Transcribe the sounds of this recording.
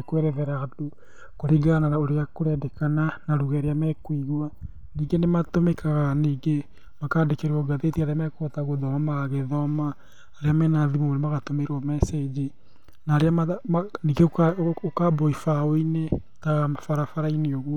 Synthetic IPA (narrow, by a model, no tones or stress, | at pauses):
kowɛɾɛðɛɾado | koɾiɡananaoɾeakoɾɛdɛkananaɾuɣɛɾeamɛkwiɣwa | niɡenematomekaɣaniːɡe | makaːdekeɾewɔɡaðetiaɾeamɛkːtaɣoðɔmamaɣaɣeðɔmaː | ɾeamɛnaðimomonemaɣatomeɾwɔmɛsɛd͡ʑe | naɾeamamaniɡekaokabɔifaoine | taɣamafaɾafaɾaineoɣu